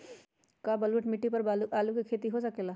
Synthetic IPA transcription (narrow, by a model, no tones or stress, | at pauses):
kaːbəlʋəʈmɪʈːipəɾalaːlukikʰeːt̪iɦoːsəkeːlaː